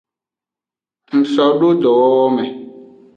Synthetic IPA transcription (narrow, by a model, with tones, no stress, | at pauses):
ŋ̩˨sɔ˨ɖo˦d̪ɔ˨wɔ˦wɔ˦mɛ˨